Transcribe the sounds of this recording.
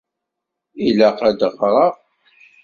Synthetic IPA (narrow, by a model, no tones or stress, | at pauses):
ilaqæd̪əʁɾˤɑ